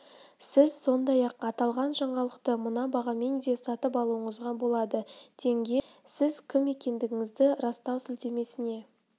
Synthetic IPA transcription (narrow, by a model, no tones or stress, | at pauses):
sɪzso̞nd̪ɑjɑqɑt̪ɑlˠʁɑnʒɑɴɑlˠəqt̪əmənɑbɑʁɑme̞nd̪e̞sɑt̪əpɑlˠuəɴəzʁɑbo̞lˠɑd̪əd̪̥e̞ŋɡʲesɪzkʲʰɪme̞kʲe̞nd̪ɪɡʲɪŋɪzd̪ɪɾɑst̪ɑwsɪlt̪e̞me̞sɪne̞